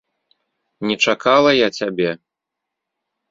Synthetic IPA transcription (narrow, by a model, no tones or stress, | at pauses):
nʲɛt͡ʂakalˠɐjat͡sʲabʲɛ